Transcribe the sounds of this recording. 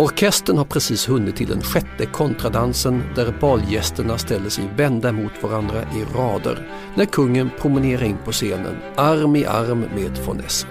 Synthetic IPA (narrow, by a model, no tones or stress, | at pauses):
ɔɾkʰɛst̪əɳhaɾpʰɾɛsiːshɵnːɪt̪ʰːɪld̪ɛ̰nɧɛt̪ːəkʰɔnt̪ɾad̪ansənd̪æɾbɑːljɛst̪əɳast̪ɛlːəʂɛjvɛnd̪amʊt̪vaɾand̪ɾaʔɪɾɑːd̪ə̰ɾ | næɾkʰɵŋːənpʰɾʊmɪneːɾaɾɪnpʰɔseːnə̰n | aɾmɪʔa̰ɾmːeːd̪fɔ̰nɛ̰s